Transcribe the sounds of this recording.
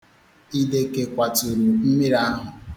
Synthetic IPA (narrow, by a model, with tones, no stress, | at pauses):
i˦de˨ke˨kʷa˨tu˨ɾu˨m̩˦mi˦ɾa˦ɦʊ˨